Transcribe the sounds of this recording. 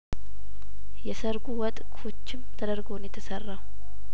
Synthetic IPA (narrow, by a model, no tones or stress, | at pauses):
jɛsəɾɡuwɔt̪ʼkʰo̞t͡ʃːɪmt̪ʰəd̪əɾɡonjɛt̪ʰəsərːaw